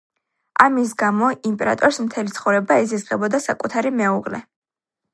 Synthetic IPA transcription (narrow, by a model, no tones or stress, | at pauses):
amisɡamɔimpʼɛɾa̰t̪ʼɔɾsmt̪ʰɛlit̪sʰχɔvɾɛbaɛzizʁɛbɔd̪asakʼut̪ʰaɾimɛuʁlɛ